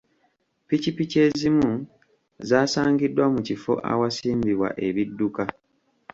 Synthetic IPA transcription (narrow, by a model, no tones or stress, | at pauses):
picipice̞zimu | zaːsaːŋɡidːwamucifo̞̰ʔa̰wasiːmbiβwa̰ʔe̞βidːuka